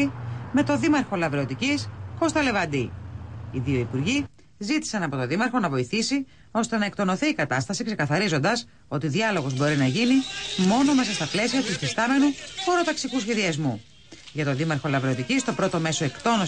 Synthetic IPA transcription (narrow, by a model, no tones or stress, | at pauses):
ime̞t̪o̞ðimɐɾxo̞lɐvɾeo̞t̪icisko̞st̪ɐle̞vɐnd̪iiðio̞ipuɾʝi | zit̪i̥sɐnɐpo̞t̪oðimɐɾxo̞nɐvo̞iθisi | o̞st̪e̞nɐek̚t̪o̞no̞θiːkɐt̪ɐst̪ɐsikse̞kɐθɐɾizo̞nd̪ɐs | o̞t̪iðiɐlo̞ɣo̞zbo̞ɾinɐʝinimo̞no̞me̞sɐst̪ɐple̞siɐt̪usfist̪ɐme̞nuo̞ɾo̞t̪ɐksikusçe̞ðiɐzmu | ʝɐt̪o̞ðimɐɾxo̞lɐvɾe̞ot̪icist̪o̞pɾo̞t̪o̞me̞so̞e̞kt̪o̞no